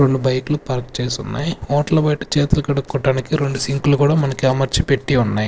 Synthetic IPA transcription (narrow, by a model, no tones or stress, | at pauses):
ɾe̞ɳɖubɐjkulupaːɾkt͡ʃeːsunːa̰ːjiɔːʈɐlɐbɐjʈu̥t͡ʃeːt̪ulɐkɐɽukːɔʈaːnikiɾe̞ɳɖusiŋkulukuːɽaːmɐnɐkiɐmɐɾt͡ʃipe̞ʈːiunːaːji